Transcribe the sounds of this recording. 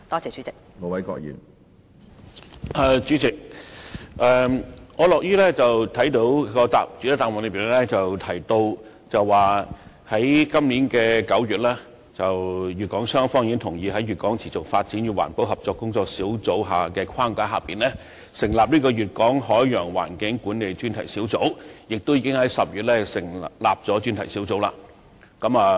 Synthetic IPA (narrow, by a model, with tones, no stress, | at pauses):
t̪ɔː˥t͡sɛː˨˧t͡ʃyː˨˥t͡sɪ˨k̚ | ŋɔː˨˧wɐ˨˦jkɔ̰ː˧k̚jḭː˨˩n | ʔɛː˨˩t͡ʃyː˨˥t͡sɪ˨k̚ | ʔɛː˨ŋɔː˨˧lɔː˨k̚jyː˥lɛː˥t͡sɐ˨wt̪ʰɐ˨˥jt̪o˨˥wkɔː˧t̪a̰ː˨p̚t͡sy˨˥t̪ːt̪aː˨mwɔː˨nlə˨˧˥piː˨˩nɛ˥t͡sɐ˨wt̪ʰɐ˨˩jt̪o˧w | t͡sɐ˨wːaː˨˩ | hɐ˨˥jkɐ˥mliː˨˥nkɛː˧kɐ˨˥wɥyː˨t̚lɛː˥ | t͡sɐ˨wjyː˨t̚kɔː˨˥ŋsœː˥ŋfɔː˥ŋjiː˨˧˥ŋt̪ʰʊ˨˩ŋjiː˨˧ɦɐ˨˥jɥyː˨t̚kɔː˨˥ŋt͡sʰiː˨˩t͡sʊ˨k̚faː˧t̚t͡siː˨˥nɥyː˨˧wa̰ː˨˩npo˨˥wɦɐ˨p̚t͡sɔː˧kːʊ˥ŋt͡sɔː˧k̚siː˨˥wt͡so˨˥wɦaː˨kɛː˧kʰaː˥ŋkaː˧˥ɦaː˨piː˨nlɛː˥ | sɪ˨˩ŋlaː˨p̚liː˥kɔː˧ɥyː˨t̚kɔː˨˥ŋhɔː˨˥jːœː˨˩ŋwa̰ː˨˩nkɪ˨˥ŋkuː˨˥ne˨jt͡ʃyː˥nt̪ʰɐ˨˩jsi˨˥wt͡so˨˥wjɪ˨k̚t̪o˥wjiː˧˥kɪ˥ŋhɐ˨˥jsɐ˨p̚ɥyː˨t̚lɛ˥sɪ˨˩ŋlaː˨p̚t͡sɔː˨˥t͡ʃy˥nt̪ʰɐ˨˩jsiː˨˥wt͡so˨˥wla̰ː˧ | kɐ˨˥maː˨˧